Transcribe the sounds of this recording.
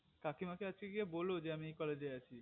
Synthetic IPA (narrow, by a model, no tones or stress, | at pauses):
kakimakead͡ʑkeɡiebolod͡ʑeamiejkɔled͡ʑeat͡ɕʰi